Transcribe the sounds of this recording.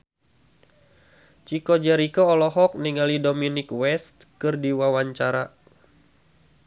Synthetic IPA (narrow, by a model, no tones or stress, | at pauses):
t͡ʃikɔd͡ʒɛɾikɔːlɔɦɔk̚niŋalidominikwɛst̪kɨrdiwawaɲt͡ʃaɾa